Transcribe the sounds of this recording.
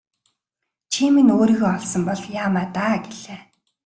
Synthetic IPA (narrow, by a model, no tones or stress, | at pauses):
t͡ɕʰiminoːɾiːɣɔɮsɞ̆mpɔɮjaːmaːt̪aːɡeɮ̥eː